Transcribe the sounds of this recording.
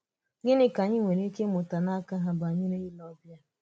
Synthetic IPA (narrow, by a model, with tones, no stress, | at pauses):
ɲɪ˦nɪ˦ka˨ɲɪ˦ŋʷe˨ɾi˦ke˦mʊ˨ta˨na˦ka˦ɦa˦ba˨ɲɪ˦ɾe˦i˦lɔ˦bja˦